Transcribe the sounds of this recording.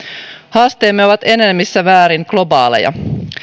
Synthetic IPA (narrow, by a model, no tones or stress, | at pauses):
hɑːst̪eːmːeoʋɑt̪e̞ne̞mːisːæʋæːɾiŋklo̞bɑ̰ːlḛjɑ̰